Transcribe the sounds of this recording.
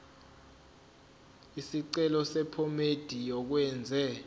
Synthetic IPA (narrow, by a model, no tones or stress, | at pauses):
isiǀɛlɔsɛpʰɔmed̥ʱijɔk̬wɛːnd͡zʱɛ